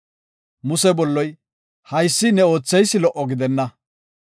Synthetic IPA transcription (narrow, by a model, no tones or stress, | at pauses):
mʊsɛbɔlːɔj | hɐjsːɪnɛo̞ːt͡sːɛjsːɪlɔʔːɔɡɪd̪ɛnːɐ